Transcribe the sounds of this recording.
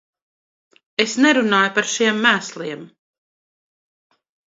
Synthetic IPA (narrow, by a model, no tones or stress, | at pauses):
esneɾunaːjupaɾʃiɛmːæːslˠiɛm